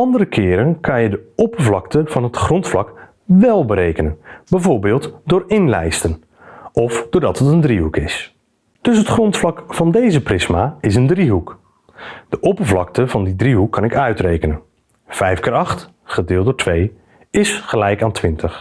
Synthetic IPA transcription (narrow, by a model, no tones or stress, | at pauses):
ɑndəɾəkʰɪːɾənkɑnjədəɔpərvlɑktəv̥ɑnɦətχrɔntflɑk | ʋɛlˠbəɾejkənənbɛjvoːɹbɪːlˠtdʊːɹɪnlɛ̰jstən | ɔfd̥ʊːɹdɑtətəndriɦukɪs | d̥ɵsɦətχrɔntflɑkfɑndejzəprɪsmaɪsəndriɦuk | d̥əʔɔpəɹvlɑk̚təvɑndidriɦukʰːɑnɪkœɥtrejkənən | v̥ɛjfkɪːɹɑχt | χədɪːlˠtdoːtʰʋej | ɪsχəlɛjkaːntʰʋɪntəχ